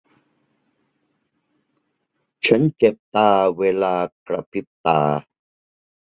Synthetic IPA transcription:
t͡ɕʰa˦˥nt͡ɕe˨˩p̚t̪aː˨˩weː˧laː˧kɾa˨pʰi˦˥p̚t̪aː˨

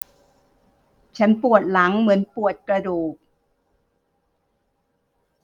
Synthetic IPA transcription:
t͡ɕʰa˦˥npu˨˩ət̪̚la˩˦ŋmɯ˩˦ənpu˨˩ət̪̚kɾa˧duː˨˩k̚

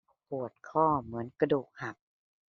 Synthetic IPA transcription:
pʰu˨˩ət̪̚kʰɔː˥˩mɯ˩˦ənka˧duː˨˩k̚ha˨˩p̚

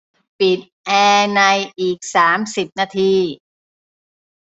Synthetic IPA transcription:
pi˨˩t̪̚ʔɛː˧na˧jʔiː˨˩k̚saː˩˦msi˨˩p̚naː˧t̪ʰiː˧

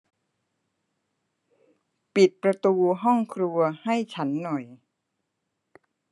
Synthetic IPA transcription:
pi˨˩t̪̚pɾa˧t̪uː˧ɦɔ˥˩ŋkʰɾu˧ɐha˥˩jt͡ɕʰa˦˥nːɔ˨˩j

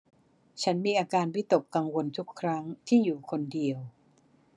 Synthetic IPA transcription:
t͡ɕʰa˦˥nmiː˧ʔaː˧kaː˧nwi˦˥t̪o˨˩kːa˧ŋwo˧nt̪ʰu˦˥kʰːɾa˦˥ŋt̪ʰiː˥˩juː˨˩kʰo˧ndi˧əw

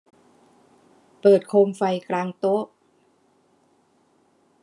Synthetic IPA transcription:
pɤː˨˩t̪̚kʰoː˧mfa˧jklaː˧ŋt̪o˦˥k̚

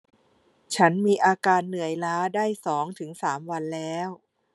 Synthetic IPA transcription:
t͡ɕʰa˦˥nmiː˧ʔaː˧kaː˧nːɯ˨˩˦əjlaː˦˥daː˥˩jsɔː˩˦ŋt̪ʰɯ˩˦ŋsaː˩˦mwa˧nlɛː˦˥w

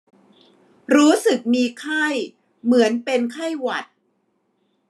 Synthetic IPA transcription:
ɾuː˦˥sɯ˨˩k̚miː˧kʰa˥˩j | mɯ˩˦ənpe˧nkʰa˥˩jwa˨˩t̪̚

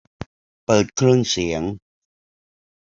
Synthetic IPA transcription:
pɤː˨˩t̪̚kʰɾɯ˥˩əŋsi˩˦əŋ

